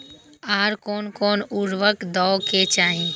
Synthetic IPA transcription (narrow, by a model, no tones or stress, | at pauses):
aːɾkoːnkoːnʊɾʋəkd̪ɔːket͡ʃaːɦĩ